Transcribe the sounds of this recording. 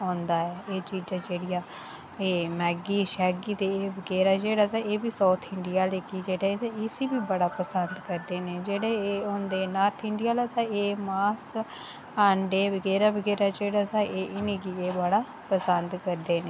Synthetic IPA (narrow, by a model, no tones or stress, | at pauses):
ɦõːnd̪aːɛːeːt͡ʃiːd͡ʒãːd͡ʒeːɽɪjaː | eːmɛːɡiːʃɛːɡiːt̪eːeːbəɡɛːɾaːd͡ʒeːɽaːt̪aːeːbiːsaːt̪ʰɪɳɖɪjaːleːkiːd͡ʒeːɽat̪aɪsiːbiːbəɽaːpəsənd̪kəɾd̪eːneːd͡ʒeːɽeːõːnd̪eːnaːɾt̪ʰɪɳɖɪjaːlaːt̪ãːeːmaːs | aːɳɖeːʋəɡɛːɾaːbəɡɛːɾaːd͡ʒeːɽaːt̪ãːʔeːʔɪneːkiːeːbəɽaː | pəsənd̪kəɾd̪eːneː